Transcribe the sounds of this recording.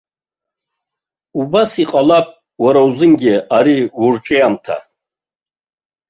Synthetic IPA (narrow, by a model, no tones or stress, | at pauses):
ubasiqʼalapʼ | waɾawzɨnɡʲɪaɾiwurʈ͡ʂʼeamtʰa̰